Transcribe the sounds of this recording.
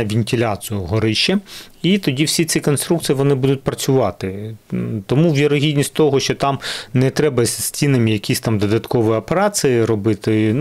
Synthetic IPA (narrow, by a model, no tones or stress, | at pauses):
ɐʋʲinʲtʲɪlʲasɨjʊɦɔɾɪʃt͡ʃɛ | it̪ɔdʲiwsʲit̪sikɔnst̪ɾukt̪sijiʋɔnɪbud̪ʊt̚ʲpɾɐt͡sʲʊʋɑt̪ɪ | t̪ɔmuʋʲjiɾɔɦʲidʲnʲisʲtʲt̪ɔɦɔʃt͡ʃɔt̪ɑmnɛt̪ɾɛbɐsʲsʲtʲinɐmʲijɐkʲisʲt̪ɑmd̪ɔd̪ɐt̪kɔʋɪjɐpeɾɑsɨjɪɾɔbɪt̪ɪ